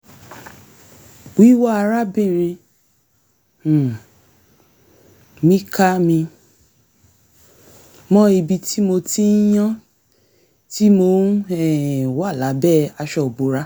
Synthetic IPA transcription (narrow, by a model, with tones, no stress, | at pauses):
i˨˦wa˦a˧ɾa˦bĩ˦˨ɾ̃ĩ˧˨ | mĩ˦ka˦mĩ˧ | mɔ̃˦i˧bi˧ti˦mo˧ti˦j̃ã˦ | ti˦mo˧˦n˦ɛ˦˨wa˦˨la˨˦bɛ˦˨a˧ʃɔ˧o˨bu˨˦ɾa˦